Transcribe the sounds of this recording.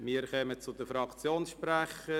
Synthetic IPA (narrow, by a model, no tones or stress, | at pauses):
miːəɾkœmət͡sʊd̪əfɾɑkt͡sjoːnsʃpɾæχə